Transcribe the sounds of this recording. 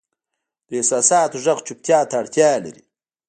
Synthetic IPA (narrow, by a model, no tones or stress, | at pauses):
d̪əesaːsɑːt̪oʐɐɣt͡ʃʰup̚t̪jaːt̪aːɽt̪jaːla̰ɾi